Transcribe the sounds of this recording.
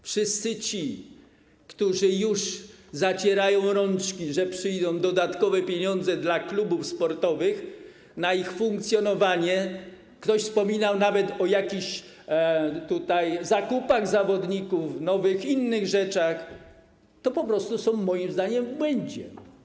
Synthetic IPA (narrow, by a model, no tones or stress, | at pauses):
fʂɘst̪sɘt͡ɕi | kt̪uʐɘjuʂzat͡ɕɛɾajɔ̃w̃ɾɔnt͡ʂkʲiʐɛpʂɘjd̪ɔ̃w̃d̪ɔd̪at̪kɔvɛpʲjeɲɔnd̪zɛd̪laklubufspɔɾt̪ɔvɘx | naixfuŋk̚t̪sʲjɔnɔvaɲɛ | kt̪ɔɕfspɔmʲinawnavɛt̪ɔjakʲiɕ | t̪ut̪ajzakupaɣzavɔd̪ɲikufnɔvɘxinːɘɣʐɛt͡ʂax | t̪ɔpɔpɾɔst̪usɔ̃w̃mɔjimzd̪aɲɛmvbwɛɲd͡ʑɛ